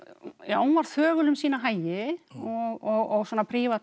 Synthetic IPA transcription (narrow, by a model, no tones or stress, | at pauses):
jahunvaɾ̥θœːɣʏlʏmsiːnaɦaːjɪɔɣɔɣɔɣswɔːnapʰɾiːva